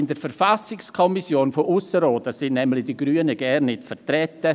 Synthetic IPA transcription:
ɪndəɾfɛɾfasɪkskʰɔmisjoːnfɔʔʊsəɾoːdəsɪnnɛmlɪd̥iɡɾyːənəɡɛnːɪtfətrɛtːə

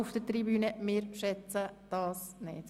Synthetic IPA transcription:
ufd̥əɾtɾibyːnəmɪːɾʃɛt͡səd̥ɑːsnɪ̰ːt

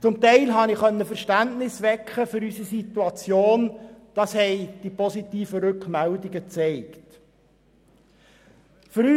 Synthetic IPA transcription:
t͡sʊmt̪ɛɪlɦɑnɪχχœnːəfəɾʃtæntnɪsʋɛkχəfʏɾysisit̪uɑt͡sjoːnd̥ɑːshɛɪd̥ipɔsit̪iːfəɾʏkχmældiɡət͡seɪkt | føɾy

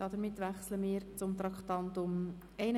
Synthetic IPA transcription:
ɑːdəɾmɪt̪ːʋæχsləmɪːɾt͡sʊmt̪ɾɑkχt̪ɑnt̪ʊm | ɛɪn

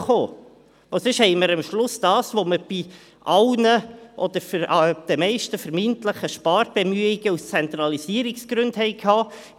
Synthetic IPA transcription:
χoː | ʔosʏʃhɛɪməɾəmʃlʊsd̥ɑːsʋoməɾb̥i | ʔɑlnəʔɔd̥̪əɾfɑd̪̥ɛmɛɪʃtəfəɾmɪnt̪ləχəʃpɑːɾb̥ɛmyəiɡəust͡sɛnt̪ɾɑlisiːəɾiksɡ̥ɾʉndhɛɪkʰɑː

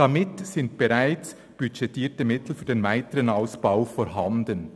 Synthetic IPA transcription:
d̥ɑmɪtsɪnt̚b̥ɛʁaɪt͡s | b̥yʃɛtʰːiːtəmɪtl̩fyːɐdeːnvaɪtəʁənaʊsb̥aʊfɔɾɦɑndən

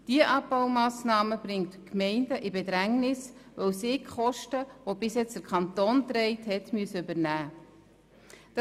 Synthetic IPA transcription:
d̥iəʔɑbbɑwmɑːsnɑːməb̥ɾɪŋtkmɛɪndəʔibɛd̪ɾæŋnɪsʋœwsɪkχɔʃtəʋobɪsjɛt͡stəɾkʰχɑntoːnt̪ɾɛɪthɛtmyəsəybəɾnæː | d̥ɑ

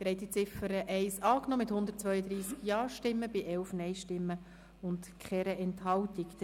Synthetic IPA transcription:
tɾɛɪt̪it͡sɪfəɾəʔɛɪsɑːknɔːmɪthʊndərtt͡sʋœʏəd̪ɾiːskjɑːɾʃtɪmːəbɪʔɛlfnɛjʃtɪmːə | ʊntkχɛɾəʔɛnthɑltɪk

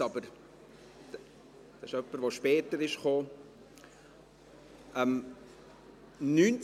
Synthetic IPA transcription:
ɑbəɾ | d̥ɑɪʃœpːəɾʋoʃpɛːtəɾɪʃχoː | ɛm | nyːnt͡s

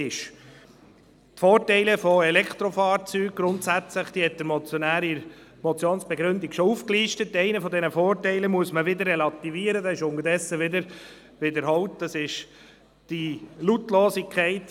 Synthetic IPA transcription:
ɪʃ | tfoːtɛɪləfɔɛlɛkχt̪ɾɔfɑːɾt͡syːɡ̚ɡ̥ɾʊnt̪sæt͡sləχd̥̪ihɛt̚d̥̪əmɔt͡sjɔnæːɾiɾmɔt͡sjoːnsb̥ɛɡɾɵnd̪iɡ̥ʃɔufkliːʃtətːɛɪnəfɔd̪ɛnəfoːrtɛɪləmuəsməʋɪd̪ərːɛlɑt̪iviːəɾədɑsɪʃʊŋəɾdɛsːəʋɪd̪əɾ | ʋɪd̪əɾɦɔwtd̥ɑsɪʃ | d̥ilutloːsikʰɛɪt

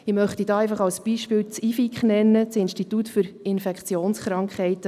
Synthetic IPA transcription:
ɪmœχtidɑːɛɪfɑχɑwsb̥iːʃpɪːwt͡siːfikχnɛnːət͡sɪnʃtit̪utfʏɾɪnfɛkχt͡sjoːnsχɾɑŋkχhɛɪtə

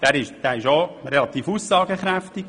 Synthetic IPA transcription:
d̥̪æɾɪʃd̥æːɪʃoɾɛlɑt̪iːfusːɑːɡəχɾæft̪ɪɡ

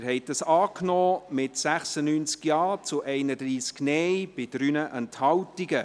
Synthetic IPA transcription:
ɾɦɛɪt̚d̥ɑsɑːknɔːmɪtsæχsənyːnt͡skjɑːt͡sʊʔɛɪnədɾiːsknɛjb̥ɪd̥ɾyːnəʔənthɑwtiɡə

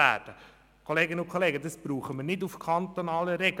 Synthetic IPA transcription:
æ̰ːd̥ə | kʰoleːɡɪnəʊnkʰoleːɡədɑsb̥ɾuːχəmənɪdufkʰɑnt̪onɑːləɾɛɡ

